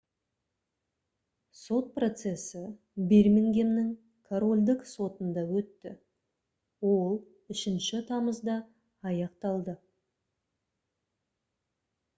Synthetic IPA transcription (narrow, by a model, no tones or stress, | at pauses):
so̞t̪̚pro̞t̪se̞sɪ | be̞ɾmeŋɡʲe̞mnɪŋ | kʰoɾo̞lʲd̪ɪkso̞t̪ənd̪ɑwɵt̪ːɪ̰ | wo̞lˠ | ɪʃɪnʃɪt̪ʰɑməzd̪ɑː | jɑqt̪ɑlˠd̪ə